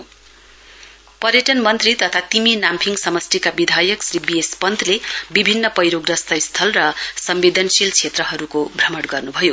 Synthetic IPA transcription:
pʌɾjʌʈʌnmʌnt̪rit̪ʌt̪ʰat̪iminampʰiŋɡsʌmʌst̪ikabid̪ʱajʌksribiespʌnd̪ʱlebibʱinːʌpʌjɾoɡrʌst̪ʌjst̪ʰʌlrʌsʌmbed̪ʱʌnsilt͡sʰet̪rʌɦʌɾukobʱrʌmʌɽɡʌrnubʱʌjo

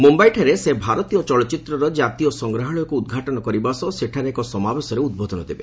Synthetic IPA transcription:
mumbajʈʰeɾesebʱaɾɔt̪ijɔt͡ʃɔɭɔt͡ʃit̪ɾɔɾɔd͡ʒat̪ijɔsɔŋɡɾaɦɔɭɔjɔkuud̪̚ɡʱaʈɔnɔkɔɾibasɔseʈʰaɾeekɔsɔmabesɔɾeud̪̚bod̪ʱɔnɔd̪ebḛ

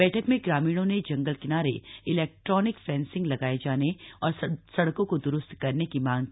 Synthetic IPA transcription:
ɛːʈʰəkmẽɡɾaːmiːɽ̃õned͡ʒɐ̃ŋɡəlkɪnaːɾḛɪlɛːk̚ʈɾɔːnɪksɛ̃ːnsɪ̃ŋɡlɐɡaːed͡ʒaːneɔːɾsɐɽkõkod̪ʊɾʊst̪kɐɾnekimãːŋɡki

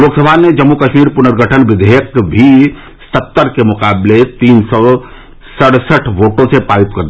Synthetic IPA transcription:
loːksəbʱaned͡ʒɐmːukɐʃmiːɾpʊnəɾɡʱəʈʰənʋɪd̪ʱejəkbʱi | sət̪ːəɾkemʊkaːblet̪iːnsɔː | sɐɽsəʈʰʋoːʈõsepaːɾɪp̪kɐɾd̪i

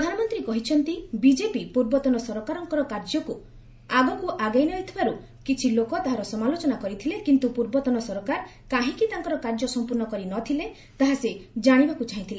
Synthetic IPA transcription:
pɾɔd̪ʱanɔmɔnt̪ɾikɔɦit͡ʃʰɔnt̪ibid͡ʒepipuɾbɔt̪ɔnɔsɔɾɔkaɾɔŋkɔɾɔkaɾd͡ʒɔku | aɡɔkuʔaɡajnɔɦit̪ʰibaɾu | kit͡ʃʰilokɔt̪aɦaɾɔsɔmalot͡ʃɔnakɔɾit̪ʰilekint̪upuɾbɔt̪ɔnɔsɔɾɔkaɾ | kaɦĩkit̪aŋkɔɾɔkaɾd͡ʒɔsɔmpuɾnɔkɔɾinɔt̪ʰile | t̪aɦased͡ʒaɽ̃ibakut͡ʃʰaɦĩt̪ʰile

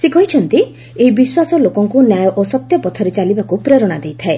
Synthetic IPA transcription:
sikɔɦit͡ʃʰɔnt̪i | eɦibiswasɔlokɔŋkunjajɔʔosɔt̪jɔpɔt̪ʰɔɾet͡ʃalibakupɾeɾɔɽ̃ad̪ejt̪ʰae

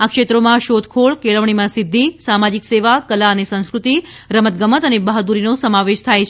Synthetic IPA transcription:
akʃet̪ɾomãʃod̪ʱkʰoɭkeɭəʋɳ̃imãsɪd̪ʱːisamad͡ʒikseʋakəlaənesə̃ñskɾut̪i | ɾəmət̪̚ɡəmət̪ənebəɦd̪uɾinosəmaʋed͡ʒt̪ʰajt͡ʃʰ

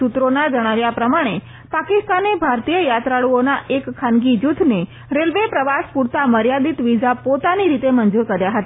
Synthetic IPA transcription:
ut̪ɾonad͡ʒəɽ̃aʋjapɾəmaɽ̃e | pakist̪anebʱaɾt̪ijəjat̪ɾaɭuonaʔekkʰːanɡid͡ʒut̪ʰne | ɾelʋepɾəʋaspuɾt̪aməɾjad̪it̪ʋid͡ʒapot̪aniɾit̪emənd͡ʒuɾkəɾjaɦət̪a

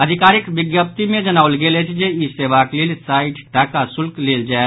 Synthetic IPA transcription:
əd̪ʱɪkaːɾɪkʋɪɡjəp̚t̪imẽd͡ʒənaːʊlɡeːlet͡ʃʰd͡ʒeiseːʋaːkleːlsaːiʈʈaːkasʊlkleːld͡ʒaɛ

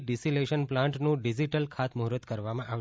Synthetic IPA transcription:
ɖisileʃənplãɳʈnũɖid͡ʒiʈəlkʰat̪mʊɦɾət̪kəɾʋamãʔaʋʃ

